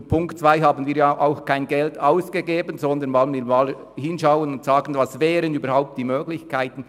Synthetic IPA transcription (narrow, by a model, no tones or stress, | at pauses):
pʰʊŋktt͡sv̥aɪɦaːbən̩viːɐjaʔaʊxkʰaɪnɡɛltaʊsɡ̥eɡeːbənzɔnd̪ənvɔlənmiːɾmaːl | hɪnʃaʊənʊntsaːɡən̩vɑsvɛːɾənyːbəɾhaʊp̚td̥iːmøːɡlɪçkʰaɪtən̩